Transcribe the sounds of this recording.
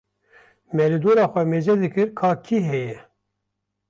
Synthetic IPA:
mɛlid̪oːɾɑːxʷɛmeːd͡ʒɛd̪ɨkɨɾkʰɑːkʰiɦɛjɛ

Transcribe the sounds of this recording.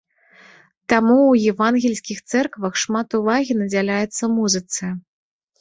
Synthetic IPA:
t̪amuwjɛvanɣʲɛlʲsʲkʲixt̪sɛrkvɐxʂmat̪uvaɣʲinɐd͡zʲalʲajɛt̪sːɐmuzɨt̪sɨ

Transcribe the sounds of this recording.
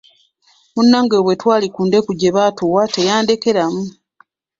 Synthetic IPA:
munːaŋɡeβwe̞twaːlikuːnde̞kuɟe̞βaːtuːwate̞jaːndeke̞ɾamu

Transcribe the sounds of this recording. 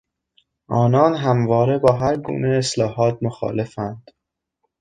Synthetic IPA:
ʔɒːnɒːnɦæmvɒːɾe̞bɒːɦæɾɡṵːne̞eslɒːɦɒːt̪̚ʰmoxɒ̰ːle̞fænd̪̥

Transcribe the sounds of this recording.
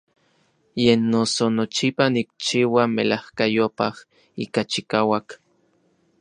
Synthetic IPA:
jenːosonot͡ʃipanik̚t͡ʃiːwamelahkajopah | iːkat͡ʃikaːwak

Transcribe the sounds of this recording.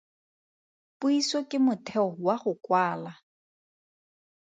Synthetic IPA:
pʼuisɔkʼɪmʊtʰɛʊwaχʊkwaːla

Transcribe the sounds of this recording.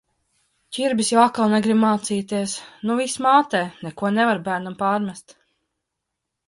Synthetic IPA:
cʲiɾbisjawakːalˠnɛɡɾibmaːt̪siːt̪iɛsnuvismaːt̪ɛːnɛkuɔnɛvaɾbæːɾnampaːɾmʲæst̪

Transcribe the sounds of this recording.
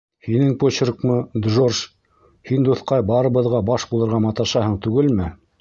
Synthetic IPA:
hinɘŋpot͡ɕrkmɤd̪ʒorʃ | hind̪uθqɑjbɑɾɤ̆βɤ̆ðʁɑbɑʃbulˠɤ̆ɾʁɑmɑt̪ɑʃɑhɤɴt̪ʉɡɘlmɘ

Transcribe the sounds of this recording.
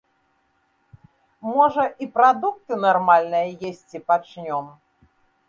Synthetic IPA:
mɔʐɐʔipɾad̪ukt̪ɨnarmalʲnɨjɐjesʲt͡sʲipat͡ʂnʲɔm

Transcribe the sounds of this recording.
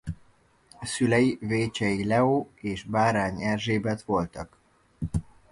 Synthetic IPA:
ɒsylɛjiveːt͡ʃɛjilɛoːeːʒbaːɾaːɲɛrʒeːbɛt̪ʋo̞lt̪ɒk

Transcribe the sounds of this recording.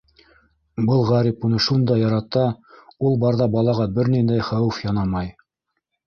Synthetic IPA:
bɤlˠʁɑɾipunɤʃund̪ɑjɑɾɑt̪ɑulˠbɑɾðɑbɑlˠɑʁɑbɘɾnind̪æjχæwɘfjɑnɑmɑj

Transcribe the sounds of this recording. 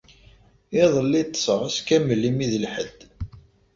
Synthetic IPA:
ɪðˤəlːit̪ˤːsˤəʁæskæməlːimiðəlħəd̪̥ː

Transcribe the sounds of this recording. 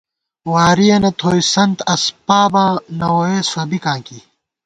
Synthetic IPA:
waːɾijɐnɐt̪ʰoːisɐnt̪ɐspaːbãːnɐwoːeːsɐbikãːki

